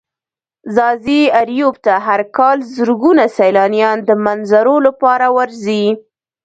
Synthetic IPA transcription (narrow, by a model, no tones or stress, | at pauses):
zɑziaɾjub̚t̪aɦaɾkɑlzəɾɡunasajlɑnjɑnd̪əmanzaɾolapɑɾawaɾzi